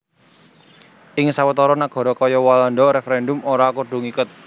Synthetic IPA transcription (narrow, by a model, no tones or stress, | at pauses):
ɪŋsawət̪ɔɾɔnaɡ̥ɔ̤ɾɔkɔjɔwalɔndɔɾɛfeɾɛndʊmoɾakuɖ̥ṳŋikʊt̪̚